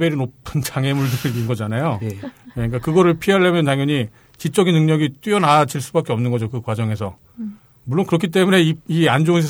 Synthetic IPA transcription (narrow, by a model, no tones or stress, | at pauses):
beɾinopʰɯnt͡ɕaŋe̞mɯɭdɯɡinɡʌd͡ʑanajoeɲik͈akɯɡʌɾɯɭpʰiɦaɭːemjʌntaŋjʌɲi | t͡ɕit͡ɕ͈ʌɡinɯŋɲʌɡit͈wiʌnad͡ʑiɭs͈ubak͈eʌmnɯnɡʌd͡ʑokɯkwad͡ʑʌŋe̞sʰʌ̰ | muɭːonkɯɾʌkʰit̬͈e̞mune̞iiand͡ʑoɯns̬ʰe